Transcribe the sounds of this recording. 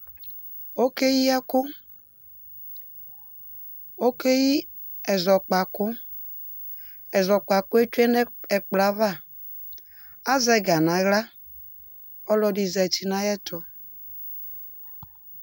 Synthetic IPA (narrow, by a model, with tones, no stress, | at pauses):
o˦ke˦ji˦ɛ˦kʊ˦ | o˦ke˦ji˦ | ɛ˨zɔ˨k͡pa˨kʊ˦ | ɛ˨zɔ˨k͡pa˨kʊ˦e˦t͡ʃu˦ɛ˦n˦ɛ˨k͡pla˨˦va˦˨ | a˦zɛ˨˦˨ɡa˨na˨ɣla˦ | ɔ˦lɔ˨di˨zɛ˨t͡ʃi˨na˨jɛ˦tʊ˨